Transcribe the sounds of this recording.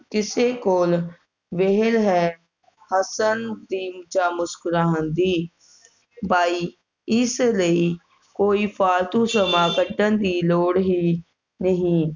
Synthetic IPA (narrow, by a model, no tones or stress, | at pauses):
kɪseːkoːl | ʋɪɦəlɦɛː | həsənd̪iːmt͡ʃaːmʊskʊɾãːɦʊnd̪iː | baːiː | ɪsləiː | koːiːpʰaːɾt̪ũːsəmaːkəɖənd̪iːloːɽɦiː | nəɦĩː